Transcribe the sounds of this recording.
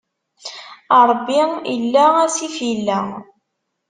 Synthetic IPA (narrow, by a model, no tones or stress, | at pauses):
ɑɾˤbːiḭlːææsifjilːæ